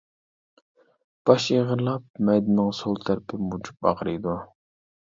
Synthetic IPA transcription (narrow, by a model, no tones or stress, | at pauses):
b̥ɑʃeʁəɾlˠɑp̚mɛjd̪ɪnɨŋsolˠt̪ʰæɾpʰɪmud͡ʒu̥p̚ɑ̰ʁɾɨjd̪u